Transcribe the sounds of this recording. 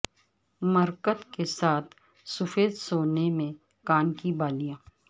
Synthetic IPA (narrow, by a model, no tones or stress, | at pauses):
məɾkət̪kesaːt̪ʰ | sʊfeːd̪soːnemẽ | kaːnkibaːlijãː